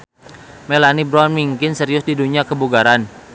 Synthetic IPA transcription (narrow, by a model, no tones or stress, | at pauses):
melanibɾɔnmiŋkɪnsəɾiʊsdiduɲiakəbuɡaɾan